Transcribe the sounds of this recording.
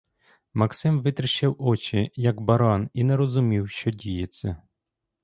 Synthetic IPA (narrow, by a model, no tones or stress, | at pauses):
mɐksɪmʋɪt̪ɾɪʃɐwɔt͡ʃɪjɐɡbɐɾɑninɛɾɔzʊmʲiwʃt͡ʃɔdʲijɛt͡sʲːɐ